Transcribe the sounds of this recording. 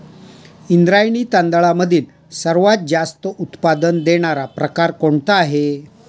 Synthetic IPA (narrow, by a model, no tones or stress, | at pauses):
ind̪ɾajɳ̃it̪ãnd̪ɭaməd̪ʱiːn | səɾʋat̪̚d͡ʑast̪əʔut̪pad̪ənd̪eɽ̃aɾapɾəkaɾkoɳt̪aaɦe